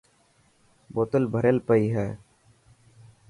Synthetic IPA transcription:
boːt̪əlbʱəɾeːlpəiːɦɛː

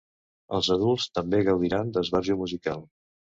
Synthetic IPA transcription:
əlˠzəðulˠst̪əmbeɣəwðiɾand̪əzβaɾʒumuzikalˠ

